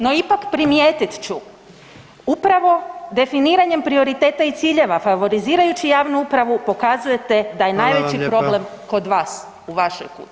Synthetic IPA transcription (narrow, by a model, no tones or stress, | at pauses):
no̞ipakpɾimjeːt̪it̪t͡ɕu | upɾaʋo̞d̪e̞finiːɾaɲe̞mpɾio̞ɾit̪e̞ːt̪ait̪siːʎe̞ʋafaʋo̞ɾiziːɾajut͡ɕijaːʋnuupɾaʋupo̞kazuje̞t̪e̞d̪aje̞najʋe̞t͡ɕipɾo̞ble̞mko̞d̪ʋaːs | uʋaʃo̰jkṵː